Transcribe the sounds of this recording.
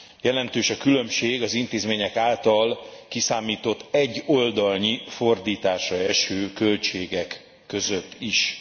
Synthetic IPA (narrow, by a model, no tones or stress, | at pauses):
jɛlɛnt̪øːʃɒkylø̞mʃeːɡɒzint̪eːzmeːɲɛkaːlt̪ɒlkisaːmiːt̪o̞t̪ːɛɟːo̞ld̪ɒlnifo̞rd̪iːt̪aːʃrɒɛʃøːkø̞lt͡ʃeːɡɛkː | ø̞zøt̪ːiʃ